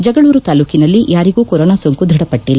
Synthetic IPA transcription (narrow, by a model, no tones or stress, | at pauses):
d͡ʒɛɡɐɭuːɾut̪aːluːkinɐlːiʔjaːɾiɡuːkɔɾoːnaːsoŋkud̪ʱiɽɐpɐʈːilːa